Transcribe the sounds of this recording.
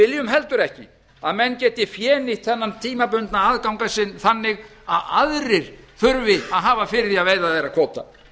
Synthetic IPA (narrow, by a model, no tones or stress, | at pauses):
ɪljʏmɦɛlt̪ʏɾɛhcɪ̰ | aðmɛnːcɛːt̪ɪfjɛːnɪht̪θɛnːant̪ʰiːmap̬ʏnt̪naaːðkawŋkasɪnθanːɪɣaðaðɾɪɾ̥θʏɾvɪaðɦaːvafɪɾɪðθiaðveːjðaθejɾakʰɔːt̪a̰